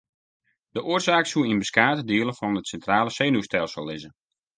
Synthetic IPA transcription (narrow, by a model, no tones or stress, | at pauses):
d̥əʔoərzaːksuəinbəskaːtədɪəlˠəfɔnətsɛntraːləseːnustɛlˠsəlˠːɪzə